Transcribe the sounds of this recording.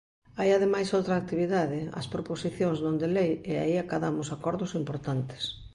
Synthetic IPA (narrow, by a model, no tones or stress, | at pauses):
ajaðemajsowt̪ɾaːk̚t̪iβiðaðɪɐ̰spɾoposiθjoŋzðõnd̪elejea̰iakaðamʊsakɔɾðʊsimpoɾt̪ant̪ɪ̥s